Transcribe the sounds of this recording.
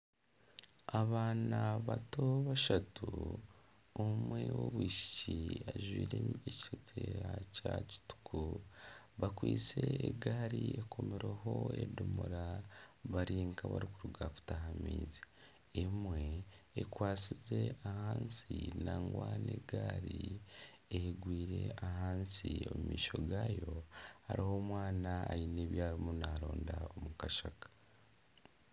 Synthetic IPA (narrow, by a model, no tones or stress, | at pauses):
aβaːnaβato̞βaʃatu | omwewo̰βwiːʃi̥ciaʒwiːɾeeci̥setʰeɾacaci̥tu̥kʰu | βakwiːt͡se̞eɡaɾiekʰo̞meɾeɦo̞edumuɾaβaɾiːŋkaβa̰ɾikuɾuɡaku̥tahamiːzi | emweːkwaːt͡size̞ahaːnsinaːŋɡwaːneɡaːɾi | ehɡwiːɾe̞ahaːnsio̞mumiːʃo̞ɡaːjo̞ha̰ɾiho̞mwaːnaːjine̞ːβjaːβimunaːɾo̞ːndaomukaʃakḁ